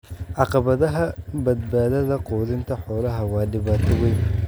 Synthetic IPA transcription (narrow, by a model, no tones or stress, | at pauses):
ʕɑqɑβɐðɐɦɐbɐd̪baːðɐðɐqɔːðɪnt̪ʰɐħɔːlɐɦɐwɑːɖɪβaːt̪ʰɐwɛjn